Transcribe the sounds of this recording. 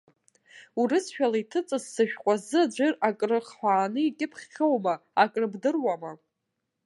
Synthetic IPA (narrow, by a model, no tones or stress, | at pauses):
urɨsʃᶣalaitʰɨt͡sʼɨzːɨʃᶣqʷʼazɨad͡ʒʷɪrakʼrɨχħʷᶣaːnɨitʲʼɪpʰχʲːowmaakʼrɨbdɨrwama